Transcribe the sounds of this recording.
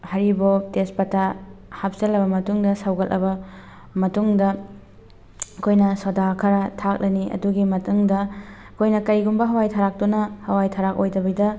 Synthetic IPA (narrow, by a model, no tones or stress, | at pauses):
hɐɾibotespɐtahap̚sɐlɐbɐmɐtuŋdɐsawɡɐlʔɐ̰bɐ | mɐtuŋdɐ | kʰojnɐsodakʰɐɾɐtʰak̚lɐniʔɐ̰duɡimɐtuŋdɐ | kʰojnɐkɐjɡumbɐɦɐwajtʰaɾak̚tunɐhɐwajtʰaɾak̚ojdɐbɐjdɐ